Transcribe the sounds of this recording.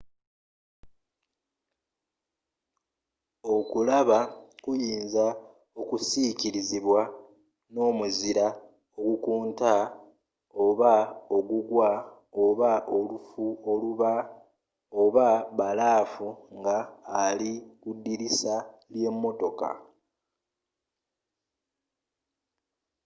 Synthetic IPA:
o̞kulaβakujiːnza | o̞kusiciɾiziβwa | no̞ːmuziɾa | o̞ɡukuːnta | o̞βao̞ɡuɡwa | oβaʔo̞lufuoluβa | oβaβalaːfuŋɡaːlikudːiɾisalje̞mːo̞to̞ka̰

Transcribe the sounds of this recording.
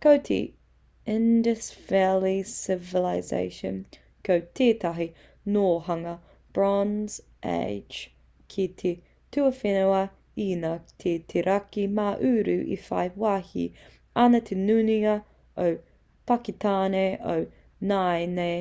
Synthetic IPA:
kowt̪ʰḛ | ɪndəsvɛlisɪvɪlaɪzḛɪʃə̰̃n | kʰowtʰeːtʰaɦi | noːhɐŋɐ | b̥ɹɔnz̥ | ʔḛɪ̥d͡ʒ | kʰit̪ʰe | tʰuɐfenoɐ | inɐtʰetʰeɾʔakimaʔʉːɾʉːʔḭfa̰ɪwahḭ | ɐnɐt̪ʰenʉːniɐ | ow | pakitʰaːneo̰w | naɪne

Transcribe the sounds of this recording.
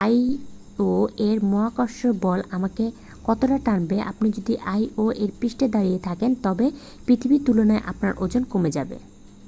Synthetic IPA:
aj | oeɾmɔɦakaʃobɔlamake | kɔt̪oʈaʈaɽbeʔa̰pnid͡ʑod̪iʔajoʔeɾpɾiʃʈed̪aɾijet̪ʰakent̪ɔbe | pɾit̪ʰibit̪ulonaeʔapnaɾʔod͡ʑonkomed͡ʑabḛ

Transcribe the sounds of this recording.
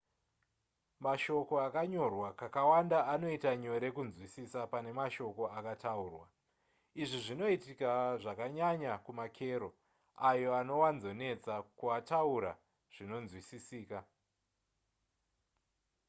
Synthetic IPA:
maʃo̞ko̞akaɲo̞rwakakawandaano̞itaɲo̞ɾe̞kunzwisisapane̞maʃo̞ko̞akatauːrwa̰ | iʐiʐino̞itikaʐakaɲaɲakumakʰe̞ːɾo̞ | ajo̞ano̞wanzo̞ne̞t͡sakuatauɾa̰ | ʐ̥ino̞nzwisisiːka

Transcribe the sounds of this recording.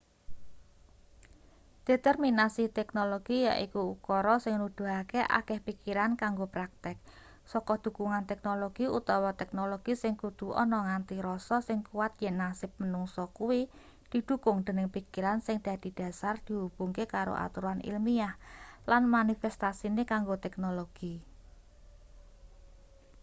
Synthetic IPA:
d̪̥e̤t̪ɛrminasit̪ɛk̚noloɡ̥ija̰ʔikuukɔɾɔsɪŋnud̪̥ṳɦakeʔa̰kɛhpikiɾankaŋɡopɾak̚t̪ɪk̚ | sɔkɔd̪̥ṳkuŋant̪ɛk̚noloɡ̥iut̪ɔwɔt̪ɛk̚noloɡ̥isɪŋkud̪̥ṳʔɔ̰nɔŋant̪iɾɔsɔsɪŋkuwat̪̚jɛnːasɪp̚mənuŋsɔkuwi | d̪̥i̤d̪̥ṳkʊŋd̪̥ənɪŋpikiɾansɪŋd̪̥a̤d̪̥i̤d̪̥a̤sard̪̥i̤ɦub̥uŋkekaɾo̰ʔa̰t̪uɾanḭlmiahlanmanifɛst̪asinekaŋɡot̪ɛknoloɡ̥i

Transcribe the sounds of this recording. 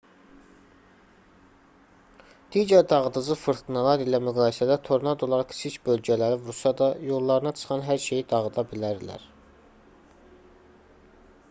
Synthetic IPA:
d̪̥iːɟæɾd̪ɑʁɯd̪ɯzɯfɯɾt̪ɯnɑlˠɑɾilæmyɡɑːjisæd̪æt̪ʰo̞ɾnɑd̪o̞lˠɑɾɑkʰsʰicbø̞lɟælæɾivuɾsɑd̪ɑjo̞lˠːɑɾɯnɑt͡ʃʰɯ̥χɑnɦæɾʃejid̪ɑʁɯd̪ɑbilæɾlæ̰ɾ

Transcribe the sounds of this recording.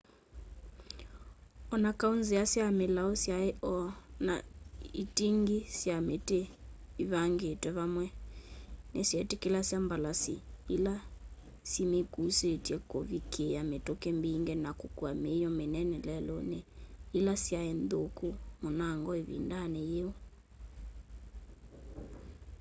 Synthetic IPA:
ɔnakaunzeasiamelaosjaeʔɔna̰itiŋɡisiameteiβaŋɡetwɛβamwɛ | nesiɛtekelasiambalasḭila | simekusetiɛkovikʰejametokɛmbiŋɡɛnakokuamejɔmenɛnɛlɛlɔneilasjaendokomonaŋɡɔeβḭndanejeo

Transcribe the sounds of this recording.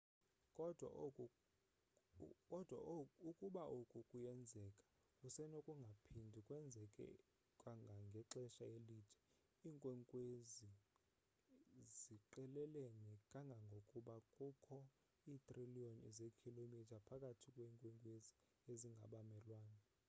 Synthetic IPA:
kʼɔdʱ | ɔd̥ʱwa̰ukʼuɓaʔukʼukʼujɛnd͡zʱɛkʼḁ | usɛnokʼuŋɡʱapʰindʱikʼwɛnd͡zʱɛkʼɛ̰ | kʼwaŋɡʱaŋɡʱɛǁɛʃaeliːtʰɛ̥ | iːŋkʼwɛŋkʼwezi | ziǃɛlɛlenɛkʼaŋɡʱaŋɡʱokʼuɓakʼukʰɔ | iːt̪ʼriliɔnḭzekʰilomitʰapʰakʼatʰikʼweːŋkʼwɛŋkʼwezi | eziŋɡʱaɓamɛlwaːna

